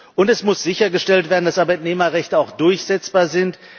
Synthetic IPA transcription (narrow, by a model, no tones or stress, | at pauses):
ʔʊntɛsmʊsz̥ɪçɐɡəʃtɛltv̥eːɐdn̩d̥asʔaɐbaɪtneːmɐʁɛçtəaʊxd̥ʊɐçz̥ɛt͡sb̥aːɐzɪnt